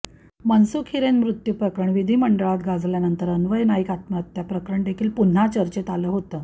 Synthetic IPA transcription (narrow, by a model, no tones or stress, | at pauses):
mənsukʰiɾenmɾut̪jupɾəkɾəɳʋid̪ʱiːməɳɖəɭat̪ɡad͡zljanənt̪əɾənʋəjnaikat̪mat̪ːjapɾəkɾəɳɖ̪ekʰiːlpun̤ːat͡ɕəɾt͡ɕet̪aləːɦot̪əː